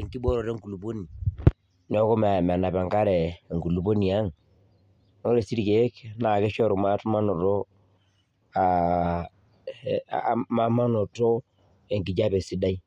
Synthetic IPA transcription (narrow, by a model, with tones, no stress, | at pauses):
e˨ŋki˦bɔ˦ɾɔ˨ɾɛ˦ŋku˨lu˨po˦ni˨ | n˦ɔ˦ko˦m˨mɛ˨na˨pɛ˨ŋka˦ɾɛ˨ŋɡu˨lu˨po˦ni˨a˦ŋ | no˦ɾe˨si˦ɾi˨ke˨˦kna˨kɛ˦ʃɔ˦ɾo˨ma˦tma˦nɔ˨tɔ˦ | a˨ | ma˦ma˦nɔ˨to˦ | e˨ŋɡi˨d͡ʒa˦pɛ˨si˦da˦i˦